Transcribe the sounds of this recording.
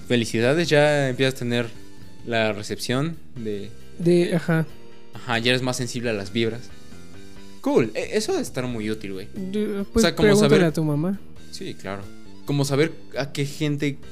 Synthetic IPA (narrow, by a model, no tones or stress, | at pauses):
fe̞lisiðaðe̞zʝaempjesasat̪e̞ne̞ɾ | lare̞se̞psjo̞n | d̪e | d̪eaxa | axaʝaeezmasːe̞nsiβle̞alazβiβɾas | kuleʔesoðest̪aɾmujut̪ilwejpweseakoɾmoɣsaβeɾlat̪umama | sikla̰ɾo | ko̞mo̞s̬aβe̞ɾ | ake̞xe̞nt̪e̞